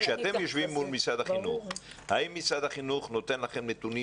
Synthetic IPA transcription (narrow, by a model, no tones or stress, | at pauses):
kʃeat̪e̞mjoʃvimːulmisad̪haχinuχ | haimːisad̪haχinuχno̞t̪enlaχemnet̪uni